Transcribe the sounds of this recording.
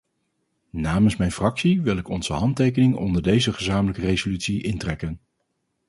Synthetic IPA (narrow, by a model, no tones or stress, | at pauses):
naːmənsmɛjnfrɑksiʋɪlˠɪkɔnz̥əɦɑntejkənɪŋɔ̰ndəɹdejzəχəzaːmələkərejzolytsiʔɪntrɛkən